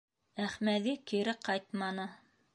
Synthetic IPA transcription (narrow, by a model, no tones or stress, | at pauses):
æχmæðikiɾɘqɑjt̪mɑnɤ